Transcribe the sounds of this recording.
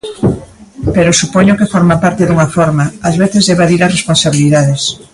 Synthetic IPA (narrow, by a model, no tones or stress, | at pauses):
peɾosupɔɲokefoɾmapaɾt̪eðuŋɐfɔɾmaːzβeθezðeβaðiɾasresponsaβ̞iliðaðes